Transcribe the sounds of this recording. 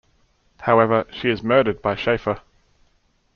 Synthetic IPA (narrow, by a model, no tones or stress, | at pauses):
haʊɛvəʃiɪzmɜːɾəd̚baɪʃeɪfə